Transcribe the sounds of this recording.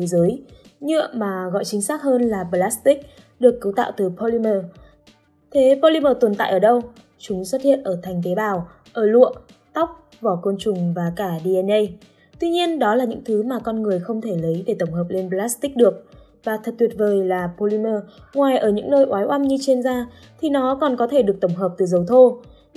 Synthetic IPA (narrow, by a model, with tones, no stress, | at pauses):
t̪ʰe˨˦zəː˨˦jɲɨ̰˧˨əmaː˨˩ɣɔ̰˧˨jt͡ɕï˨˦ŋ̟saː˦˥t̚həː˧nlaː˨˩ɓə˧laː˦˥st̪ï˦˥k̚ | ɗɨ˨˩əkːɨ˨˦wt̪a̰ː˧˨wt̪ɨ˨˩pʰo˧li˧məː˧˩ | t̪ʰe˨˦po˧li˧məː˧˩t̪wə˨˩nt̪a̰ː˧˨jʔəː˧˩ɗə˧w | t͡ɕʊ˨˦ŋ͡mswə˦˥t̚hḭ˧˨ənʔəː˧˩t̪ʰa˨˩jŋ̟t̪e˨˦ɓaː˨˩w | ʔəː˧˩lṵ˧˨əʔ | t̪a˦˥wk͡p̚ | vɔ˧˩ko˧nt͡ɕʊ˨˩ŋ͡mvaː˨˩kaː˧˩ɗi˧ɛ˧nʔə˧j | t̪wi˧ɲi˧ənɗɔ˨˦laː˨˩ɲɨ̰˧˥ŋt̪ʰɨ˨˦maː˨˩kɔ˧nŋɨ˨˩əjxə˧wŋ͡mt̪ʰe˧˩lə˨˦jɗe˧˩t̪ə˧˩wŋ͡mɦəː˨˩p̚le˧nplaː˦˥st̪ï˦˥k̟̚ɗɨ˨˩ək̚ | vaː˨˩t̪ʰə˨˩t̪wi˨˩ət̚vəː˨˩jlaː˨˩po˧li˧məː˧ŋwaː˨˩jʔəː˧˩ɲɨ̰˧˥ŋnəː˧jʔwaː˨˦jʔa˧mɲɨ˧t͡ɕe˧nzaː˧ | t̪ʰi˨˩nɔ˨˦kɔ˨˩nkɔ˨˦t̪ʰe˧˩ɗɨ˨˩ək̚t̪ə˧˩wŋ͡mɦəː˨˩p̚t̪ɨ˨˩zə˨˩wt̪ʰo˧